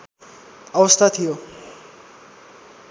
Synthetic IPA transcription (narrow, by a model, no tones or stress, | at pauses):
ɔbost̪ʰat̪ʰijo